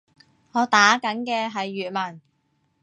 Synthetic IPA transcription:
ŋɔː˨˧t̪aː˨˥kɐ˨˥nkɛː˧ɦɐ˨jːyː˨t̚mɐ˨˩n

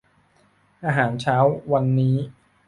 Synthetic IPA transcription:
ʔaː˧ɦaː˩˦nt͡ɕʰaː˦˥wwa˧nːiː˦˥

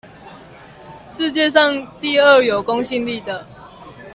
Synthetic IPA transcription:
ʂɻ̩˥˧t͡ɕjɛ˥˧ʂɑ˥˨ŋt̪i˥˨ə˥˩jo˨˩ʊko˦ŋɕi˥˧nli˥˩d̪ə˩

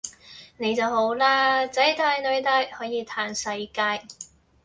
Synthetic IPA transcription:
ne˨˧˥jt͡sɐ˨who˨˥wlaː˥t͡sɐ˨˥jt̪aː˧jnɵ˨˧ɥt̪aː˧jhɔː˨˥jiː˨˧t̪ʰaː˨˥nsɐ˧jkaː˧j

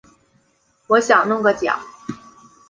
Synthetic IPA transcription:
wɔ˧˥ɕjɑ˨˩ŋnʊ˥˧ŋɡə˥˩t͡ɕjɑ̰˨˩˦

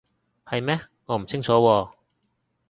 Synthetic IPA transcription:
hɐ˨jmɛː˥ | ŋɔː˨˧m̩˨˩t͡sʰɪ˥ŋt͡sʰɔː˨˥wɔː˧

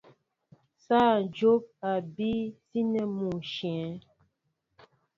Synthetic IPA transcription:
sa˦˨n˨d͡ʒo˦p̚a˨bi˦si˦nɛ˦mu˨ʃjɛ̃˨˦

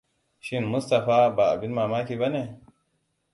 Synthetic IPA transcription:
ʃɪ˦nmʊ˦sta˨ɸaː˦baː˨ʔa˨bɪ˦nmaː˨maː˦kʲiː˨ba˦ne˨

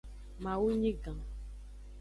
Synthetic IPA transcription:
ma˨wu˦ɲi˦ɡã˨

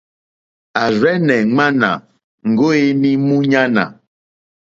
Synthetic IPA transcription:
a˨zɛ˦nɛ̃˨ŋ͡mã˦nã̰˨ | ŋ̩˨ɡo˦e˦nĩ˦mũ˦ɲã˦nã̰˨

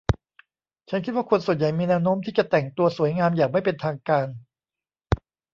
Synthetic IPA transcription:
t͡ɕʰa˦˥nkʰi˦˥t̪̚waː˥˩kʰo˧nsu˨˩ənja˨˩jmiː˧nɛː˧˥wnoː˦˥mt̪ʰiː˥˩t͡ɕa˨˩t̪ɛ˨˩ŋt̪u˧ɐsu˨˩˦jŋaː˧mjaː˨˩k̚ma˥˩jpe˧nt̪ʰaː˧ŋkaː˧n

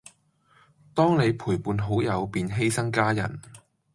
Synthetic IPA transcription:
t̪ɔː˥ŋne˨˧jpʰuː˨˩jpuː˨˧nɦo˨˥wjɐ˨˧wpiː˨nɦe˥jsɐ˥ŋkaː˥jɐ̰˨˩n

